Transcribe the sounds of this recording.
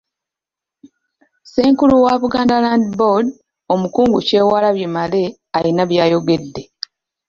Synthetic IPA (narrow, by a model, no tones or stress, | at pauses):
seːŋkuluwaβuɡaːndalaːndibod | o̞mukuːŋɡuce̞ːwaːlaβjemale̞ | ajinaβjaːjo̞ɡe̞dːe̞